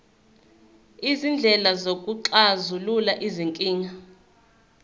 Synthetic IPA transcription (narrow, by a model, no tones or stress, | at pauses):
izind͡ɮʱɛlazokʼuǁazululaʔiziŋkʼiːŋa